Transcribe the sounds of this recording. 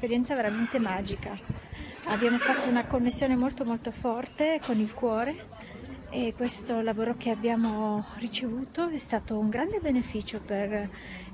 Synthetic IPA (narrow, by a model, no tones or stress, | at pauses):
peɾjɛnt̪saveɾament̪emaːd͡ʒika | abjaːmofat̪ːounakonːesːjoːnemolt̪omolt̪ofɔrt̪ekonilkwɔːɾe | ekwest̪olavoːɾok̟eabːjaːmorit͡ʃevuːt̪oɛst̪aːt̪ouŋɡɾand̪ebenefiːt͡ʃoper